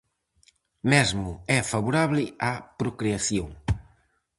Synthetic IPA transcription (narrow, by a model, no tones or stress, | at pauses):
mɛzmʊɛfaβuɾaβlɪapɾokɾeaθjoŋ